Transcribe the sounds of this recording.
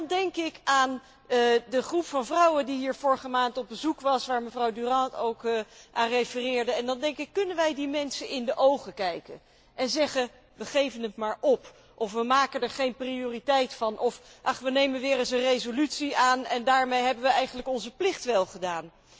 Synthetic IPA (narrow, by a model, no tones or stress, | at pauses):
ndɛŋkɪkaːn | dəχrupfɑnvrɑwədiɦiːɹvʊːɹəχəmaːntɔb̚bəzukʋɑsʋaːɹməvrɑwdyrɑtowkʔaːnrejfərɪːɹdəɛndɑndɛŋkɪkːɵnənʋɛjdimɛnsənɪndəʔowχəkɛjkə̰n | ʔɛnzɛχə | ʋəχejvənətmaːɹʔɔp | ʔɔfʋəmaːkəndɛɹχejnprioːritɛjtfɑnʔɔfɑχʋənejmənʋɪːrɪsənrejzolytsiaːnɛndaːɹmejɦɛbənʋəɛjχənləkɔnzəplɪχtʋɛlˠχədaːn